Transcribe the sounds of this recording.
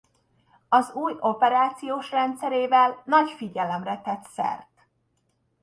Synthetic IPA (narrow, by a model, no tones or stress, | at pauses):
ɒzuːjo̞pɛɾaːt̪sijoːʃrɛnt̪sɛɾeːvɛlnɒcfiɟɛlɛmrɛt̪ɛt̪sɛ̰rt̪